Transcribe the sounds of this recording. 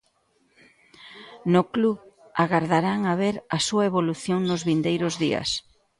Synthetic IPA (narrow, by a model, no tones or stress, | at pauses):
nʊkluβ | aɣaɾðaɾaŋaβeɾɐsuɐeβoluθjoŋnʊzβind̪ejɾʊzðiɐ̰s